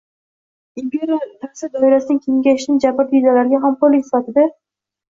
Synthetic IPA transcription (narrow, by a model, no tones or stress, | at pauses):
impʲʰeɾat̪ʰaɾsɪd̪ɒɪɾasɪnɪŋkʲʰe̞ŋɡʲaʃɪnɪd͡ʒapɪɾd̪ed̪alaɾɡʲaɦamkʰolɪkʲsɪ̥fat̪ɪd̪a